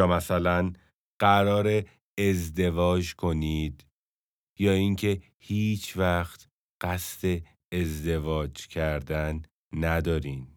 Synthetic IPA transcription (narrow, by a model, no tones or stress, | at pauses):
ɒːmæsælæn | ɢ̥æɾɒːɾeː | zd̪e̞vɒːd͡ʒkʰo̞niːd̪ | jɒːiŋcʰe̞ | hiːt͡ʃʰvæxt̪ | ɢ̥æst̪e̞ː | zd̪e̞vɒːd͡ʒcʰæɾd̪ænː | æd̪ɒːɾiːn